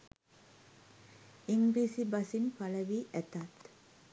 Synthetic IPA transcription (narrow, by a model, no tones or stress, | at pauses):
iŋɡɾiːsibasimpaləʋiʔæt̪at̪